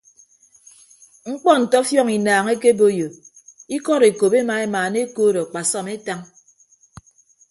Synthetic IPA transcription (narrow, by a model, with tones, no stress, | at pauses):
ŋ͡m̩˦k͡pɔ˦n̩˨tɔ˦fjɔ˦ŋi˨naː˨ŋe˦ke˦bo˦jo˨ | i˦kɔ˦ɾe˨ko˨be˦ma˨˦e˦maː˨ne˦koː˦ɾɔ˨k͡pa˨sɔ˦me˦ta˦ŋ